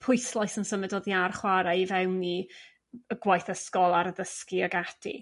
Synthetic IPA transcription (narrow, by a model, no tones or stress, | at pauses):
pʰʊjslˠajsənsəmɛdoːðiarχwaɾaivɛwni | əɡwajθəskɔlˠaɾəðəskiaɡadʰḭ